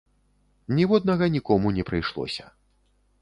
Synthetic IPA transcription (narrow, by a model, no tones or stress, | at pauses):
nʲiwɔd̪nɐɣɐnʲikɔmunʲɛpɾɨjʂlˠɔ̰sʲɐ̥